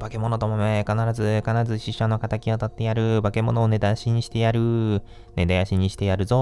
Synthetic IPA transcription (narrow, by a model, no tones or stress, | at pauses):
b̥ake̞mo̞no̞t̪o̞mamekanaɾazɨkanaɾazɨɕiɕano̞kat̪akʲiot̪at̪ːe̞jaɾɯ̟bake̞mo̞no̞ːne̞d̪ajaɕiɲ̟iɕi̥t̪e̞jaɾɯ̟ | ne̞d̪ajaɕiɲ̟iɕi̥t̪e̞jaɾɯ̟zo̞